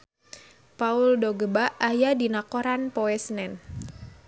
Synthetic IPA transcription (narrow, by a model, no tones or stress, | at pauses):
pauʊldoɡəbaʔajadinakoɾanpoɛsənɛn